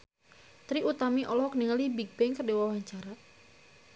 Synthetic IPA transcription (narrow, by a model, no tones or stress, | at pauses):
t̪ɾiʔut̪amiʔɔlɔhkəniŋalibiɡ̚bɛŋkardewawaɲt͡ʃaɾa